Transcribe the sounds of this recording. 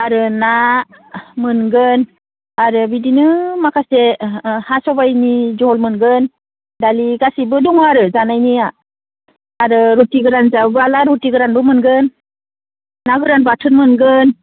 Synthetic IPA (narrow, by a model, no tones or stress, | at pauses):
aɾɯna | mɯnɡɯn | aɾɯbidinɯmakʰasehasɔbajnid͡ʒɔlmɯnɡɯn | daliɡasibɯduŋaɾɯzanajnia | aɾɯɾutiɡɯɾanzawbɯalaɾutiɡɯɾanbɯmɯnɡɯn | aɡɯɾanbatʰɯnmɯnɡɯn